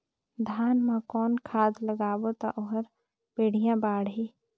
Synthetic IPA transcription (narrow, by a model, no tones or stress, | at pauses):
d̪ʱaːnmãkɔːnkʰaːd̪ləɡaːwot̪a̰ʔoɦəɾ | peːɽ̤ijãbaːɽi